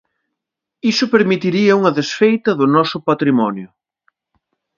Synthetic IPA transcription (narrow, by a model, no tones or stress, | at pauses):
isʊpeɾmit̪iɾiɐuŋɐðesfejt̪ɐðʊnɔsʊpat̪ɾimɔnjʊ